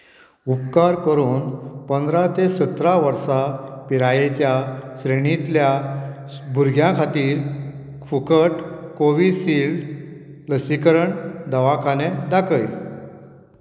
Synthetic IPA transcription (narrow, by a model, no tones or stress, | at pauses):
upkaɾkəɾuːnpənd̪ɾat̪esət̪ɾaʋəɾsapiɾajet͡ɕjasɾeɽ̃it̪lja | bʱuɾɡʱjãkʰat̪iːɾ | kʰukəʈkoʋisilɖ | ləsikəɾəɳd̪əʋakʰaned̪akʰəjl